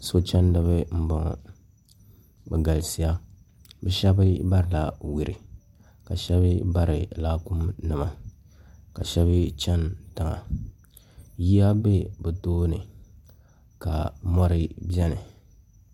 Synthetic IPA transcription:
so˦t͡ʃɛ˦ndɨ˦βɨ˦m̩˦bɔ˨ŋ̰˨ | bɛ˨ɡa˨lsi˦ja˦ | bɛ˦ʃɛ˦bɨ˦ba˦ɾɨ˨la˨wi˨ɾi˨ | ka˨ʃɛ˦βɨ˦ba˦ɾɪ˨laː˦ku˦mnɨ˨ma˨ | ka˨ʃɛ˦βɨ˦t͡ʃɛ˦nta˨ŋa̰˨ | ji˦a˦be˦bɛ˨toː˦nɨ̰˨ | ka˨mɔ˦ɾɨ˦bɛ˦nɨ˨

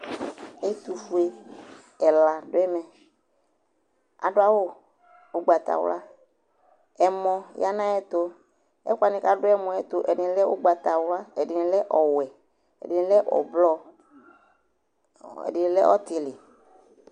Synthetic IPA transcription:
e˦t̪u˨fu˨e˦ | ɛ˨la˨ɖʊ˦ɛ˦mɛ̃˨ | a̰˨ɖʊ˦a˦wo˦ | o˦ɡ͡ba˨t̪a̰˨wʊ̰˦la˦ | ɛ˨mɔ̃˨ja˦nã˦ɛ˦t̪o˦ | ɛ̰˦kwa˨nĩ˨ka˦ɖʊ˦ɛ˦mɔ̃˨ɛ˦t̪o˦ʔɛ˨nɪ˨n˦lɛ˦o˦ɡ͡ba˨t̪a˨wla˦ɛ˨dɪ˨n˨lɛ˦ʔɔ˨wɛ˨ | ɛ̰˨dɪ˨n˨˦lɛ˦ʔɔ̰˨blɔ˦ | ɛ̰˨dɪ˨lɛ˦ʔɔ˦t̪ɪ˨lɪ˨

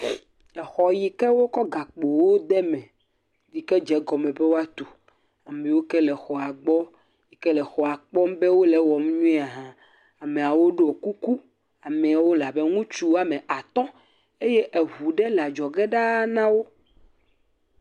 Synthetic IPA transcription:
ɛ˨xɔ˨ji˨kɛ˦wo˦kɔ˦ɡa˨k͡po˨wo˦d̪ɛ˦mɛ̃˨ | di˨kɛ˦d͡ʒɛ˨ɡɔ˨mɛ̃˨bɛ˦wo˦a˦t̪o˨ | a˨mɛ̃˨wo˦kɛ˦lɛ˨xɔ˨a˨ɡ͡bɔ˦ | ji˨kɛ˦lɛ˨xɔ˨a˨k͡pɔ˦m˦bɛ˦wo˦lɛ˦wɔ˨m˦ɲũ˦a˨ɦã˦ | a˨me˨a˨wo˦ɖo˦o˨ku˦ku˦ | a˨mɛ̃˨a˨wo˦la˨be˦ŋũ˦t͡ʃu˦wa˦mẽ˨ʔa˨t̪ɔ̃˦ | e˦je˦ʔɛ˨ɦu˨ɖɛ˦la˨d͡ʒɔ˨ɡɛ˦ɖa˦nã˦wo˦

